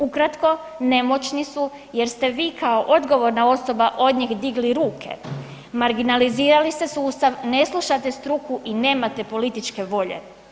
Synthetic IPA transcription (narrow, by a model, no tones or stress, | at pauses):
ukɾat̪ko̞ne̞mo̞t͡ɕnisu | je̞ɾst̪e̞ʋiːkʰao̞ʔo̞d̪ɡo̞ʋo̞ɾnao̞so̞baʔo̞d̪ɲixd̪iɡliɾuːkʰe̞̰ | maɾɡinaliziːɾalist̪esuːst̪aʋne̞slˠuʃat̪e̞st̪ɾukuʔine̞ːmat̪e̞po̞lit̪it͡ʃke̞ʋo̞ʎe̞̰